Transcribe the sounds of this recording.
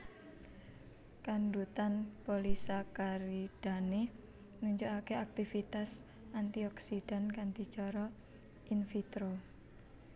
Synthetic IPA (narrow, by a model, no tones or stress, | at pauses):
kaɳɖut̪anpolisakaɾiɖ̥a̤ne | nuɲt͡ʃoakeak̚t̪ifit̪as | ʔant̪iɔksiɖ̥a̤nkand̪i̤t͡ʃɔɾɔ | infit̪ɾo